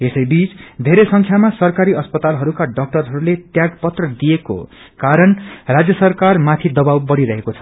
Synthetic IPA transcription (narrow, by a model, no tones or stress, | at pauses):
esʌjbit͡sd̪ʱeɾesʌŋkʰjamasʌrkaɾiʌspʌt̪alɦʌɾukaɖʌk̚ʈʌrɦʌɾulet̪jaɡpʌt̪rʌd̪ijeko̰ | kaɾʌnrad͡zjʌsʌrkarmat̪ʰid̪ʌbawbʌɽiɾʌɦekot͡sʰʌ̥